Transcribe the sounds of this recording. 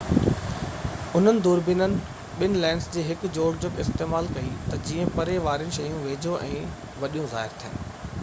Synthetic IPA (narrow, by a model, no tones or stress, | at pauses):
ʊn̤ənɪ̆d̪uːɾbɪnənɪ̆ | ɓɪnɪlɛ̃ːɳɖsd͡ʑeːɦɪkʊ̆d͡ʑoːɽd͡ʑʊkɪst̪eːmaːlkɐit̪ɐd͡ʑiːə̃pɐɾeʋaːɾiənɪʃɐjũʋeːd͡ʑoʔɛ̰̃ː | ʋɐɗijũza̰ːɦɪɾt̪ʰḭ̃ːn